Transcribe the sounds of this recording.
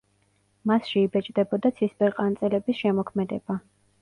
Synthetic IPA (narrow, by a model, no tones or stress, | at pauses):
masʃɛibɛt͡ʃʼd̪ɛbɔd̪at̪sʰispʼɛɾqʼant̪sʼɛlɛbisʃɛmɔkʰmɛd̪ɛba